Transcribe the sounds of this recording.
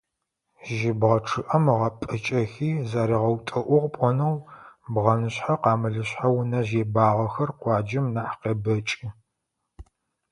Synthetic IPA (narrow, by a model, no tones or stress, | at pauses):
ʒɪbʁɐʈ͡ʂʰɨʔɐmʁɐpʼɨt͡ʃʼɐxiːzaːɾiʁɐwtʼɐʔʷʊʁpʷʼɔnɐwbʁɐnɨɕħaqɑːmɨɮɨɕħawnɐʑeːbaːʁɐxɐrqʷɑːd͡ʒɪmnaħqeːbɐt͡ʃʼi